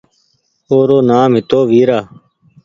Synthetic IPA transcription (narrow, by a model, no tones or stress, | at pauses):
oːɾoːnaːmɦɪt̪oːʋiːɾaː